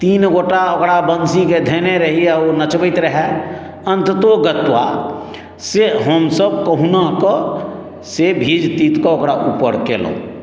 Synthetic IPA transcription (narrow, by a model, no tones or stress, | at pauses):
t̪iːnɡoʈaokɽabənsiked̪ʱeneɾəɦianət͡ʃbəɪt̪ɾəɦɛ | ə̃nt̪ət̪oɡət̪ʋa̰ | seɦəmsəb̚kəɦunakɔ | sebʱid͡ʒt̪it̪kɔokɽaʔupə̰ɾkḛlõ̰